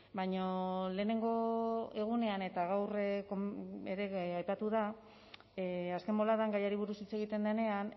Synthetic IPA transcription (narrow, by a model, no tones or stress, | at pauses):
baɲole̞ːne̞ŋɡo̞e̞ɣ̞une̞ane̞t̪aɣ̞awrekoeɾe̞ajpat̪uð̞a | aske̞mo̞laðaŋɡajaɾiβ̞uɾusit͡se̞ɣ̞it̪e̞nd̪ene̞an